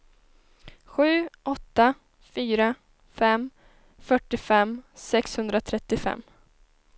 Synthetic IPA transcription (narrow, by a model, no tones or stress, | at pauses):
ɧʉ̟ːʔɔt̪ːa | fyːɾa | fɛmː | fœʈːɪfɛmsɛkshɵnd̪ɾat̪ʰɾɛt̪ːɪfɛ̰mː